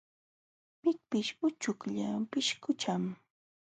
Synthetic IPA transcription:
pɪk̚pɪʃʊt͡ʃʊkʎapɪʃkʊt͡ʃam

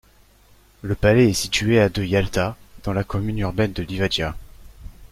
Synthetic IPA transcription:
ləpalɛɛsit̪yead̪øjalt̪ad̪̥ɑ̃lakɔmynyʁbɛnd̪əlivad͡ʒja

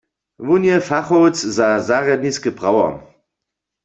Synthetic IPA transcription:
ʋunjɛfaχowt͡szazaʁjad̪̚niskəpʁawɔ̰m

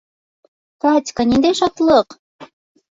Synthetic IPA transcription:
kɑt̪ʲkɑnʲind̪eʃɑt̪lˠɤq

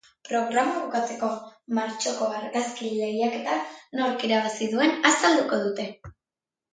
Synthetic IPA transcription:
pɾo̞ɣɾamaβokat͡se̞ko̞maɾt͡ʃo̞ko̞aɾɣaskile̞jake̞t̪ano̞ɾkiɾaβasiðue̞nasald̪uko̞ð̞ut̪e̞

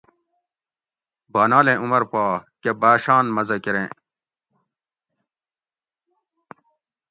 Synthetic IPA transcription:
baːnaːlẽːʔumɐɾpaːkebaːɕaːnmɐzɐkiɾḛ̃ː

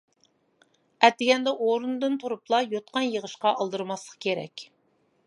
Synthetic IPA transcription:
ɛt̪ːɪɡʲɛnd̪ɛʔoɾund̪ɨnt̪ʰuɾuplˠɑjot̪̚qɑnjəʁəʃqɑʔɑlˠd̪ɨɾmɑslˠəqkʲʰeɾɛ̰kʲ

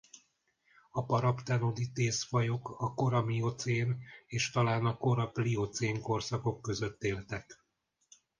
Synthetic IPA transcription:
ɒpɒɾɒpt̪ɛnod̪it̪eːsfɒjo̞kɒko̞ɾɒmiot̪seːneːʃt̪ɒlaːnɒko̞ɾɒpliot̪seːŋko̞rsɒko̞kːø̞zø̞t̪ːeːlt̪ɛk

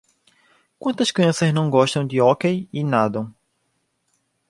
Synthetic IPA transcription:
kwɐ̃nt̪ɐʃkɐ̃sɐznɐ̃w̃ɡɔʃt̪ɐ̃w̃d̪ɪokejinad̪ɐ̃w̃

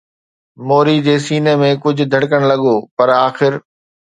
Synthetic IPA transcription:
moːɾid͡ʑeːsiːnemẽkʊd͡ʑʱʊ̆d̪ʱɐɽkəɽ̃lɐɠoːpɐɾaːxɪɾ

